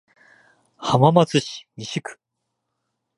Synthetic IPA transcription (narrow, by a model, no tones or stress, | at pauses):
hamamat͡sɨɕi̥mʲiɕikɯ̥